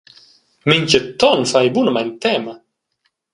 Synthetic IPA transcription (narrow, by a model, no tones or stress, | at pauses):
miŋcət̪ːɔnfajbunmajnt̪ɛːma